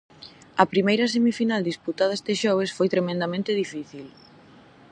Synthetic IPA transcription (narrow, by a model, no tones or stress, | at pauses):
ɐpɾimejɾɐs̬emifinald̪isput̪aðɐest̪eʃɔβ̞esfojt̪ɾemẽnd̪amẽnt̪ɪðifiθil